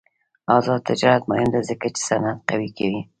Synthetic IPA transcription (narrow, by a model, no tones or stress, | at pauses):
ɑzɑd̪̚t̪ʰːɪd͡ʒɑɾat̪mʊhɪmd̪azəkat͡ʃe̥sanat̪̚qawikʰawi